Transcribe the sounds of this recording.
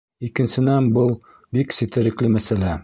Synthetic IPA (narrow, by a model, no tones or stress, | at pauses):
ikɘ̆nsɘ̆nænbɤlˠ | biksɘ̆t̪ɘ̆ɾɘ̆klɘmæsælæ